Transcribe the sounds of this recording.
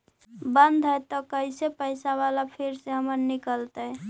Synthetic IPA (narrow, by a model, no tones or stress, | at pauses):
bənd̪ʱɦəjt̪ɔkəɪsepəjsaβalapʰiɾseɦəməɾnikəlt̪ə